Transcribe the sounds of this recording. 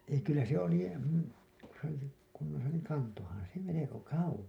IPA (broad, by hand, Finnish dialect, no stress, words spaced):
ei kylːæ se oli ku se oli se kunːosɑ niːŋ kɑntohɑn se meleko kɑuwos